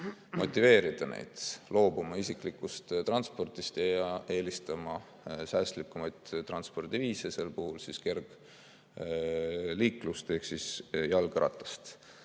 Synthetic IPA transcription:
mo̞̰t̪ʲːˑive̞ːɾid̪̥ɑnḛjd̪̥lo̞ːbumɑisikˑlikːˑust̪t̪ɾɑnspo̞rt̪ist̪ɑe̞ːlist̪ɑmɑ | sæːst̪likːumɑjt̪t̪rɑnspo̞rd̪iviːsese̞lpuhulsiske̞rɡ̥ | liːkˑlust̪e̞hksisjɑlɡɾɑ̰t̪ːˑɑ̥st̪

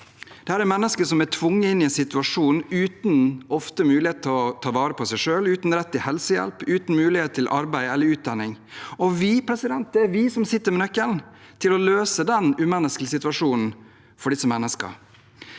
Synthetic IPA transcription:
d̪̥ɛhæːɾɛɾmɛnːəskəʂɔmæt̪ʰʋʊŋːəɪnːɪɛɪnsɪt̪ʉɑʂuːnʉːt̪n̩ɔft̪əmʉːlɪheːt̪ʰɪɔt̪ʰɑːʋɑːɾəpʰɔsæɪʂøːlʉːt̪n̩ɾɛt̪ːɪhɛlsəjɛ̰lpʉːt̪n̩mʉːlɪheːt̪̚t̪ʰːɪlʔɑɾbæɪɛlːəɾʉːt̪̚d̪ɑnːɪŋ | ɔʋɪpʰɾɛsɪd̪ɛnt̪̚d̪ɛæɾʋɪsɔmsɪt̪ːəɾmɛnœkːəln | t̪ʰɪlɔløːsəd̪ɛnʉmɛnːəskl̩sɪt̪ʉɑʂuːnn̩ | fɔɖɪsɔmɛnːəskə̰ɾ

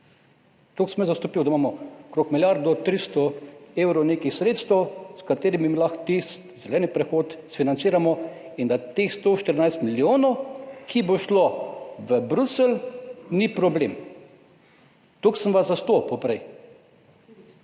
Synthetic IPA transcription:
t̪oksəmɛzast̪ɔpiwd̪aimamɔkɾoːkmiljaɾd̪ɔt̪ɾist̪ɔeːwɾɔneːkixsɾeːt̪st̪əwskat̪eːɾimimlaxt̪ist̪zɛlɛːnipɾɛxoːt̪sfinant̪siːɾamɔ | ind̪at̪exst̪oʃt̪əɾnajst̪miljoːnɔwkʰiboʃloʋəbɾusəlnipɾɔblem | t̪oksəmʋazast̪opɔpɾɛj

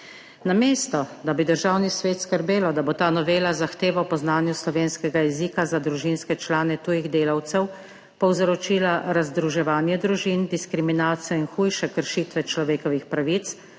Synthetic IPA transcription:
nameːst̪ɔd̪abid̪əɾʒaːwnisʋeːt̪skəɾbeːlɔd̪abot̪aːnɔʋeːlazaxt̪eːʋawpɔznaːnjuslɔʋeːnskɛɡajɛzikazad̪ɾuʒinskɛt͡ʃlaːnɛt̪uːjiɣd̪eːlawt̪sɛw | pɔwzɾɔt͡ʃiːlaɾazd̪ɾuʒɛʋaːnjɛd̪ɾuʒind̪iskɾiminaːt̪sijɔinxuːjʃɛkəɾʃiːt̪ʋɛt͡ʃlɔʋeːkɔʋixpɾaʋit̪s

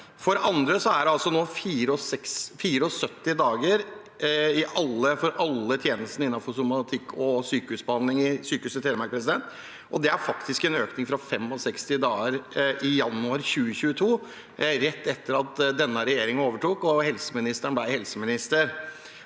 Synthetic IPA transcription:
fɔɖɛʔɑnd̪ɾəsɔæɖɛɑlsɔnoːfiːɾəɔsɛksfiːɾəɔsœt̪ːɪd̪ɑːɡəɾ | ɪʔɑlːəfɔɾʔɑlːət̪ʰjeːnəst̪n̩ɪnːɑfɔsʊmɑt̪ʰɪkʰːɔsyːkəʉːsbəɑnd̪lɪŋɪsyːkəʉːsət̪ʰeːd̪əmæɾkpɾɛs̬ɪd̪ɛnt̪ | ʔɔd̪ɛæɾfɑkt̪ɪskɛnøːknɪŋfɾɑfɛmɔsɛkst̪ɪd̪ɑːəɾɪjɑnːʉɑɾçʉːəçʉːət̪ʰuː | ɾɛt̪ːɛt̪ːəɾɑt̪d̪ɛnːəɾɛjeːɾɪŋənoːʋəʈuːkɔhɛlsəmɪnɪst̪əɳəblæɪhɛlsəmɪnɪst̪əɾ

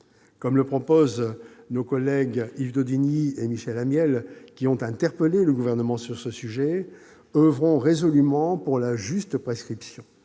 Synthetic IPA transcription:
kɔmləpχɔpoznokɔlɛɡivd̪od̪iniemiʃɛlamjɛlkʲiɔ̃t̪ɛ̃t̪ɛʁpəleləɡuvɛʁnəmɑ̃syʁsəsyʒɛ | øvʁɔ̃ʁezɔlymɑ̃puʁlaʒyst̪pχeskχipsjɔ̃

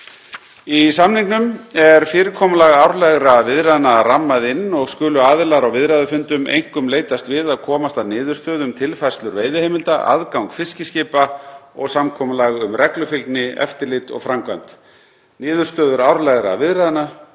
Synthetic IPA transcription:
isamnɪŋknʏmɛɾ̥fɪːɾɪkʰɔːmalaɣawɾlɛɣɾavɪðɾaðnaramːaðɪnːɔɣskʏːlʏaːðɪlaɾawvɪðɾaðʏfʏnt̪ʏmḛjŋ̥kʏmleːjt̪ast̪vɪðaðkʰɔːmast̪aðnɪːðʏɾ̥st̪œːðʏmt̪ʰɪlfaj̥rst̪lʏɾveːjðʏheːjmɪlt̪aʔa̰ðkawŋkfɪscɪscɪːpaɔ̰ɣsamkʰɔːmalaɣʏmrɛklʏfɪlt̪nɪɛ̰ft̪ɪɾlɪt̪ɔ̰ɣfɾamkvajm̥t̪ | nɪːðʏɾ̥st̪œːðʏɾawɾlɛɣɾa̰vɪðɾaðna

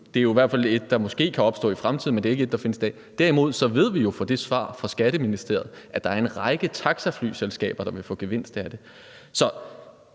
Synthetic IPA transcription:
d̥e̝æjoiʋæɐ̰dfæle̝d̥̚ːɑ̈mɒ̽sɡ̥e̝̰ːkʰæɒ̽b̥sd̥ɔ̰̽ːifʁamt͡sʰið̰ˠmendeeɡ̥əe̝d̥̚ːɑ̈fe̝nəsid̥ɛ̰ː | d̥æɐ̰imo̝ð̰ˠsɒ̽ʋe̝ð̞̰ˠʋijo̝fɒ̽d̥e̝sʋɑ̰̈ːfɒsɡ̥æɾ̥əminisd̥e̝ɐ̰ð̩ˠʔæd̥ɑ̈æɐe̝nʁɑ̈ɪɡ̥ət͡sʰɑ̈ɡ̥sæfly̰ːselsɡ̥ɛ̰ːb̥ɐd̥ɑ̈ʋe̝fɔ̰̽ːɡ̥eʋen̰sd̥æd̥e | sɒ̽

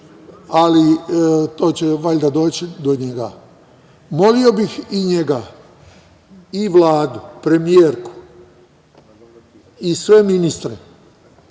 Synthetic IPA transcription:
alit̪o̞ːt͡ɕeʋaʎd̪ad̪o̞ːt͡ɕid̪oɲeɡa | mo̞lio̞bixiɲeɡa | iʋlˠaːd̪upɾe̞mijeːɾku̥ | isʋe̞minist̪ɾe

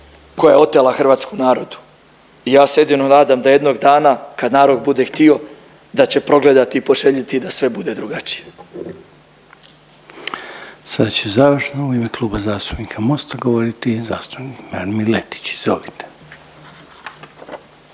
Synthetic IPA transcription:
ko̞jajeo̞t̪elaxr̩ʋaːt̪skonaːɾo̞d̪u̥ | ijaːsejed̪inonaːd̪amd̪aje̞d̪no̞ɡd̪aːnakad̪naːɾo̞d̪̚bud̪e̞xt̪io̞ | d̪at͡ɕe̞pɾo̞ɡle̞d̪at̪iːpo̞ʒe̞ʎit̪id̪asʋe̞bud̪e̞d̪ɾuɡat͡ʃi̥je | sad̪at͡ɕezaːʋr̩ʃnouimeklˠuːbazaːst̪u̥pnikʰamo̞st̪aɡoʋoɾit̪iza̰ːst̪u̥pnikmaɾmilet̪i̥t͡ɕzoʋit̪e̥

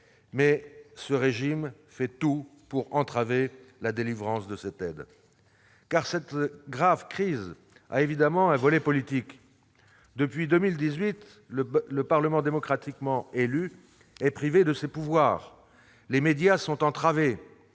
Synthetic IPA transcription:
mɛsəʁeʒim | fɛt̪upuʁɑ̃t̪χavelad̪elivʁɑ̃sd̪əsɛt̪ɛd̪ | kaʁsɛt̪ɡʁavkχiz | a̰evid̪amɑ̃ɛ̃vɔlɛpɔlit̪ik | d̪əpɥid̪ømild̪izɥit̪ | ləpaʁləmɑ̃d̪emɔkχat̪ikmɑ̃ely | ɛpχived̪əsepuvwaːʁ | lemed̪jasɔ̃t̪ɑ̃t̪χave

